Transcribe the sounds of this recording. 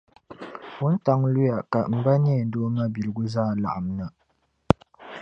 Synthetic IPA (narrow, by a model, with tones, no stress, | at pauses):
wʊ˦n̩˦ta˦ŋlu˦ja˨ka˨m̩˨ba˦ni˦ɛ˨n˦doː˦ma˦bi˨lɨ˨ɡʊ˦zaː˦˨la̰˨ʔa˨m˦na˦